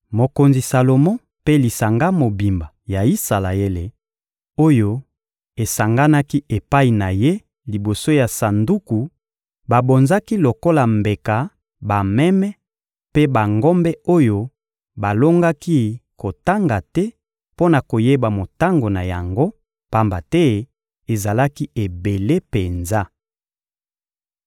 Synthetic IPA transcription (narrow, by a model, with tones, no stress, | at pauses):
mo˨ko˨nzi˨sa˨lo˨mɔ̃˦ | pe˦li˨sa˨ŋɡa˦mo˨bi˨mba˨ja˨i˦sa˨la˨e˦le˨ | o˦jo˦ | e˨sa˨ŋɡa˦na˦ki˦e˨pa˦i˨na˨je˦ | li˨bo˨so˦ja˨sa˨ndu˦ku˨ | ba˨bo˨nza˦ki˦lo˨ko˦la˨mbe˨ka˨ | ba˨mɛ˦mɛ˦ | pe˦ba˨ŋɡɔ˦mbɛ˦o˦jo˦ | ba˨lo˦ŋɡa˦ki˦ko˨ta˦ŋɡa˨tɛ˦ | po˦na˨ko˨je˦ba˨mo˨ta˦ŋɡo˨na˨ja̰˨ŋɡo˦ | pa˦mba˨tɛ˦ | e˨za˨la˦ki˦e˨be˨le˦pe˨nza˦